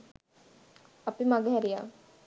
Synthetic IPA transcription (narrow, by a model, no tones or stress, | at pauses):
apimaɡəɦɛɾijaː